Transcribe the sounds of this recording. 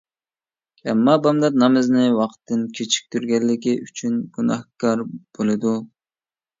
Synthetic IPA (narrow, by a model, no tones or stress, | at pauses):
ɛmːɑbɑmd̪ɑt̪̚nɑmɨznɨwɑqt̪ʰːɨnkʲʰet͡ʃʰi̥k̚ʲt̪ʰyɾɡʲɛlːɪkʲiyt͡ʃʰynɡ̥unɑhkɑɾb̥olˠɨd̪u